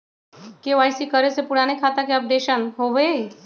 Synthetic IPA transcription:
keʋaːɪsikəɾesepuɽaːnekʰat̪akeəp̚d̪eʃənɦoʋe

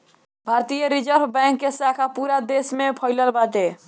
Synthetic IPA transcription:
bʱaɾt̪ijəɾid͡ʒəɾbbɛ̃ŋkːesakʰapuɾad̪esmepʰəɪləlbat̪e

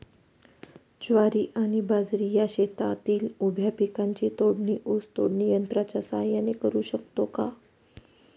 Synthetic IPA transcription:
d͡ʑʋaɾiːʔañibad͡zɾijaɕet̪at̪iːlubʱjapikãɲt͡ɕit̪oɽniʔost̪o̰ɽnijənt̪ɾat͡ɕasaɦjanekəɾuːɕəkt̪oka

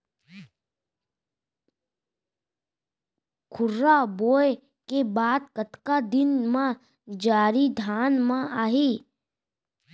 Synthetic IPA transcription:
kʰʊɾːaboːj | kebaːd̪kət̪kad̪ɪnmã | d͡ʒaːɾid̪ʱaːnmãaːɦiː

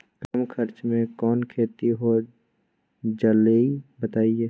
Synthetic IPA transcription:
kamkʰəɾt͡ʃmẽkɔːnkʰeːt̪iɦo | d͡ʒəleibət̪aːieː

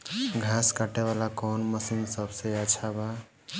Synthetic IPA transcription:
ɡʱaskaʈeβalakɔnməsinsəbʱsejat͡ʃʰaba

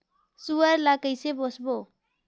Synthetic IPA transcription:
suəɾlakəjsebosʰbo

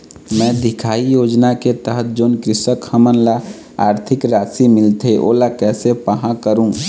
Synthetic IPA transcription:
mɛ̃ːd̪ʱɪkʰaːijoːd͡ʒnaket̪əɦət̪̚d͡ʒoːnkɾɪsəkʰhəmənla | aːɾt̪ʰɪkɾaːsimɪlt̪ʰeʔo̰ːlakɛːsepəɦãkəɾũː

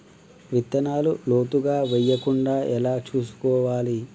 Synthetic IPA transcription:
ʋit̪ːɐnaːluloːt̪uɡaːʋɛjːɐkuɳɖaːʔɛlaːt͡ʃuːsu̥kɔːʋaːli

